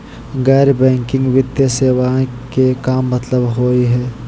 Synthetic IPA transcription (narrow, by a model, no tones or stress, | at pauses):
ɣɛːɾbɛ̃ːŋkɪ̃ŋɡʋɪd̪jəseːʋa | kekaːmːɐt̪ləbɦoːiɦɛː